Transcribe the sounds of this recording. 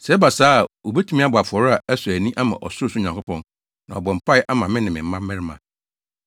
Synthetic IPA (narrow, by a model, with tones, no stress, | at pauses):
sɛ˨˦ba˨saː˦˨o˨bɛ˦tʰu˦mĩ˦a˦bʊ˨a˨fɔ˨ɾa˨æ˦sʊ˨æ˨nĩ˦ʔa˦mã̰˨ʔɔ̰˨sʊ˦sʊ˦˨ɲã˨kʊ˦pʰɔ̃˦n | nã˨ɔ˨bɔ˨m̩˨pʰa˦ɪ˦ʔa˦mã˨mɪ̃˦nɪ̃˨mɪ̃˨m̩˦mã˦mː˦ɪ̃˦ɾɪ˦mã˨